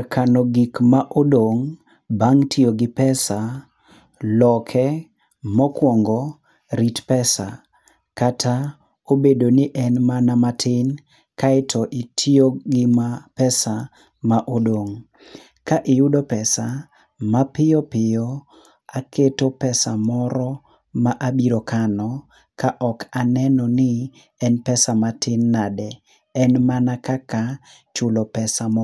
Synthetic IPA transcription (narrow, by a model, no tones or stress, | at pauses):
akʰanɔɡikmaʔodoŋ | baŋtʰioɡɪpɛsa | lɔkʰɛ | mɔkwɔŋɡɔ | ɾitpɛsa̰ | katʰa | obedonɪʔɛnmanamatʰɪn | kaɪtʰɔʔɪtʰioɡɪmapɛsa | maʔodoŋ | kaʔɪjʊdopɛsa | mapɪjɔpɪjɔ | akʰetopɛsamɔɾɔ | maʔabiɾokanɔ | kaʔɔkanɛnɔnɪ | ɛnpɛsamatɪnːadɛ | ɛnmanakaka | t͡ʃʊlɔpɛsamɔ